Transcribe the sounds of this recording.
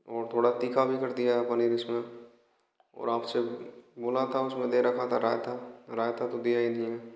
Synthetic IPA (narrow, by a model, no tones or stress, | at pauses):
ɔːɾt̪ʰoːɽat̪iːkʰabʱikɐɾd̪ijaɦɛpəniːɾɪsmẽ | ɔ̰ːɾaːpseboːlat̪ʰaʊsmẽd̪eɾɐkʰat̪ʰaɾaːjt̪ʰaɾaːjt̪ʰat̪od̪ijainəɦĩɦɛː